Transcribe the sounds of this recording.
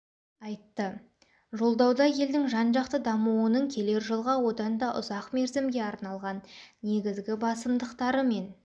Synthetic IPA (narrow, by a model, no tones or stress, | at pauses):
ɑjt̪ːə | ʒo̞lˠd̪ɑwd̪ɑje̞ld̪ɪŋʒɑnʒɑqt̪əd̪ɑmuwənəɴkʲʰe̞le̞ɾʒəlˠʁɑwo̞d̪ɑnd̪ɑʔʊ̰zɑqme̞ɾzɪmɡʲe̞ɑɾnɑlˠʁɑnːe̞ɡʲɪzɡʲɪbɑsəmd̪əqt̪ɑɾəme̞n